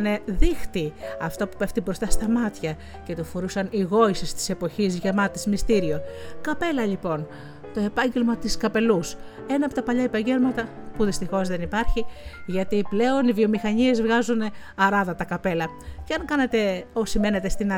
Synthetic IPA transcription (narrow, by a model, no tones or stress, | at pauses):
ne̞ðixt̪iɐft̪opu̥pe̞ft̪ibɾo̞st̪ɐst̪ɐmɐt̪çɐ | ce̞t̪ufoɾusɐniɣo̞isist̪i̥se̞po̞çizʝɐmɐt̪izmist̪iɾio̞kɐpe̞lɐʎipo̞n | t̪o̞e̞pɐɲɟe̞lmɐt̪iskɐpe̞lus | e̞nɐpot̪ɐpɐʎɐipɐɲɟe̞ɾmɐt̪ɐpuðist̪ixo̞zðe̞nipɐɾçiʝɐt̪iple̞o̞nivio̞mixɐɲie̞zvɣɐzuneɐɾɐðɐt̪ɐkɐpe̞lɐ | ceɐŋkɐne̞t̪e̞osime̞ne̞t̪e̞st̪inɐ